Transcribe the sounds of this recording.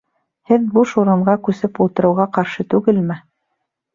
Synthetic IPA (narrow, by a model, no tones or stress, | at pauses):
hɘðbuʃuɾɤ̆ɴɢɑkʉsɘpulˠt̪ɤ̆ɾɤ̆wʁɑqɑɾʃɤt̪ʉɡɘlmɘ